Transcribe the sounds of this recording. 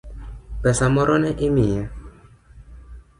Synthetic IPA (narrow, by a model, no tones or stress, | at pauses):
pɛsamɔɾʔɔnɛʔimia